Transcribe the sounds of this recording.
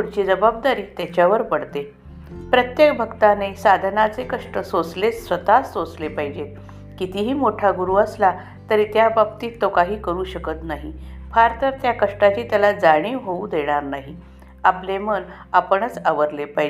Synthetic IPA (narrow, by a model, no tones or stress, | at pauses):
puɽt͡ɕiːd͡zəbab̚d̪aɾiːt̪jat͡ɕjaʋəɾpəɽt̪e | pɾət̪jek̚bʱəɡt̪anesad̪ʱnat͡sekəʂʈəsot͡slesʋət̪asːot͡slepaɦid͡ʑet̪̚ | kit̪iɦiːmoʈʰaɡuɾuːəsla | t̪əɾiːt̪jababt̪iːt̪ːokaɦiːkəɾuːɕəkət̪naɦifaɾt̪əɾt̪jakəʂʈat͡ɕiːt̪jalad͡zaɽ̃iːɦoud̪eɽ̃aɾnaɦi | aplemən | apəɳ̃ət͡saʋəɾlepaɦi